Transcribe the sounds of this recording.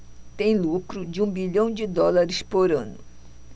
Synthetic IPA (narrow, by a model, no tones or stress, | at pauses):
t̪ẽj̃lukɾʊd͡ʒɪũbiʎɐ̃w̃d͡ʒɪd̪ɔlaɾɪspoɾɐ̃nʊ